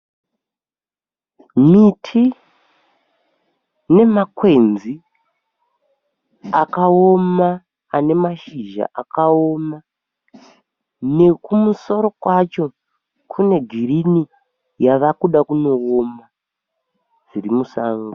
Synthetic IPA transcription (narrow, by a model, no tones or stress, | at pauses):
mitʰi | ne̞makwe̞nzi | akaomaː | ne̞maʃiʒa̰ʔakao̞ma | ne̞kumuso̞ɾo̞kwat͡ʃo̞ | kʰune̞ɡʱiɾini | jaʋakuɗakuno̞oma | d͡zirimusaːŋɡo